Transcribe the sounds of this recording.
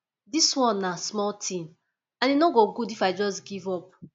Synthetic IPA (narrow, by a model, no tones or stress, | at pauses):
diswɔ̃nːasmɔltʰĩn | ãninoɡoɡudifaɪd͡ʒɔsɡivɔp̚